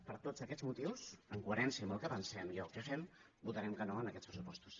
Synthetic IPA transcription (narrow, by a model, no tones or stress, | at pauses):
pəɾt̪ot͡səkɛd͡zmut̪iwsəŋkuəɾɛnsjəməlˠkəpənsɛmjɔlkɛfɛm | but̪əɾɛmkənoənəkɛt͡spɾəsupɔst̪u̥s